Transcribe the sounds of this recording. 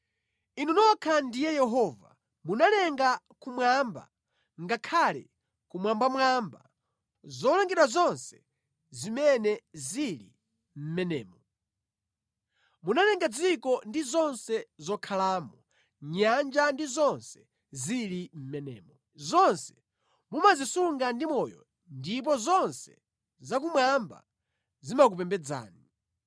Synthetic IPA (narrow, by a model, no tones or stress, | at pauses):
inunɔkʰandijɛjɛɦɔva̰ | munalɛŋɡa | kumwamba̰ | ŋɡakʰalɛ̰ | kumwambamwamba | zɔlaŋɡiɾazɔnsɛ̥ | zimɛnɛzilḭ | m̩mɛnɛːmɔ | munanɛŋɡad͡zikɔndizɔnsɛzɔkʰalaːmɔ | ɲand͡ʒandizɔnsɛ | zilim̩mɛnɛ̰ːmɔ | zɔnsɛ̥ | mumazisuŋɡandimɔjɔ̰ | ndip̬ɔzɔnsɛ | zak̬umwamba̰ | zimak̬upɛmbɛd͡za̰ːni